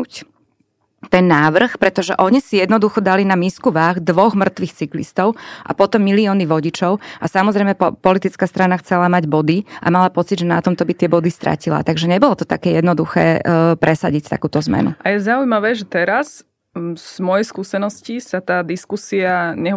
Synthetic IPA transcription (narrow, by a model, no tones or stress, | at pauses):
c | t̪ɛnːaːʋr̩xpɾɛt̪ɔʒɛʔɔɲisijɛd̪nɔd̪uxɔd̪alinamiːskuʋaɣd̪ʋɔɣmr̩t̪ʋixt͡siklḭst̪ɔʊʔa̰pɔt̪ɔmːiliɔːniʋɔɟit͡ʃɔʊasamɔzɾɛjmɛpɔlit̪it͡skaːst̪ɾanaxt͡sɛlamaɟbɔd̪iʔa̰malapɔt͡sid̪ʒɛnat̪ɔmt̪ɔbit̪ɪɛbɔd̪ist̪ɾʔa̰cila̰t̪aɡʒɛɲɛbɔlɔt̪ɔt̪akɛːjɛd̪nɔd̪uxɛ̰ːpɾɛsaɟict̪a̰kuːt̪ɔzmɛ̰nṵʔajɛzaujmaʋɛːʒɛt̪ɛɾas | z̥mɔjɛjskuːsɛnɔscisat̪aːd̪iskusiaɲɛ